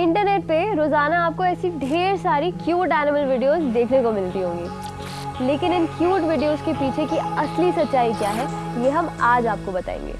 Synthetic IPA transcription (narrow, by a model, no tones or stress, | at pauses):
ɪ̃ɳʈəɾneːʈ̚peɾoːzaːnaaːp̚koɛːsiɖʱeːɾsaːɾikjuːʈɛːnɪməlʋɪːɖijoːzd̪eːkʰnekomɪlɪʈ̪iɦõːŋɡiː | leːkɪnɪnkjuːʈʋɪɖijoːzkepiːt͡ʃʰekiɐslisɐtːʃaːikjaːɦɛ | jeːɦɐmaːd͡ʒaːp̚kobɐt̪a̰ːḛ̃ːŋɡḛː